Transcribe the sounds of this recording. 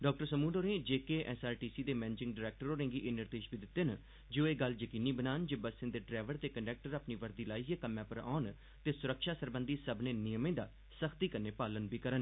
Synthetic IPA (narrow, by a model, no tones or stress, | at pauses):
ɖɔːk̚ʈəɾsəmuːɖoːɾẽːd͡ʒeːkeːʔɛsaːɾʈiːsiːd̪eːmɛːnɪd͡ʒɪ̃ŋɡɖɪɾɛːk̚ʈəɾoːɾẽːŋɡiːʔeːnɪɾd̪eːʃbiːd̪ɪt̪ːen | d͡ʒõːeːɡəld͡ʒəkiːniːbənaːnd͡ʒeːbəsɪ̃nd̪eːɖɾɛːʋəɾt̪eːkəɳɖɛːk̚ʈəɾaːpniːʋəɾd̪iːlaːiɡekəmjãːpəɾa̰ːn | t̪eːsʊɾəkʃaːsəɾbənd̪iːsəbneːnɪjəmẽːd̪aː | səkʰt̪iːkəɾneːpaːlənbiːkəɾən